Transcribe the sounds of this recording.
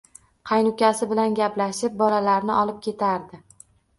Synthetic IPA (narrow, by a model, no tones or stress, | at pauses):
qʰɑjnʊkʲasɪbɪlanɡʲaplaʃɪp̚bɒlalaɾnɪʔɒlɪp̚kʲʰe̞t̪ʰaɾd̪ɪ